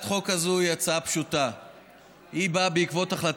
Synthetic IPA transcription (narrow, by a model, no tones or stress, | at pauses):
tχo̞kazuiat͡saapʃuta | hibabeikvo̞t̪aχlat